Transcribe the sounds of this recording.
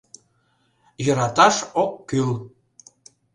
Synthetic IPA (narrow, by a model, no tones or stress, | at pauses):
jəɾɑt̪ɑʃokːyl